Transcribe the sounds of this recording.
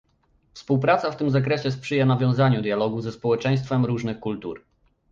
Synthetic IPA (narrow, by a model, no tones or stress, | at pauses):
fspuwpɾat̪saft̪ɘmzakɾɛɕɛspʂɘjanavʲjɔ̃w̃zaɲud̪ʲjalɔɡuzɛspɔwɛt͡ʂɛj̃st̪fɛmɾuʐnɘxkult̪uɾ